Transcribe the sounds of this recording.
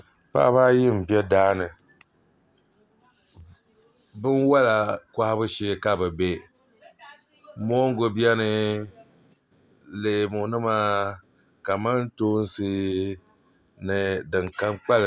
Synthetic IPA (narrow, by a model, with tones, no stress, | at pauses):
pa̰˦ba˦jɪ˦m̩˨bjɛ˦daː˦nɨ˨ | bɨ˦nwa˦la˨kʷa˦ha˦bɨ˦ʃe˦ka˨bɨ˨be˦ | mɔ˦ŋ˦ɡo˨bi˦ɛ˦nɨ˦ | leː˨mʊ˨nɨ˦maː˦ | ka˨ma˦n˦toː˦n˦sɨ˦ | nɨ˨dɨ˨ŋka˦mk͡pa˦l